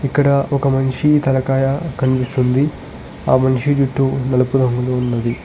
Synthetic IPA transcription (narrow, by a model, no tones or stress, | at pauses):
ikːɐɽɐɔkɐmɐnʂit̪ɐlɐkaːjɐkɐnipist̪und̪i | aːmɐnʂid͡ʒuʈːunɐlɐpud̪ʱɐŋɡuluunːɐd̪i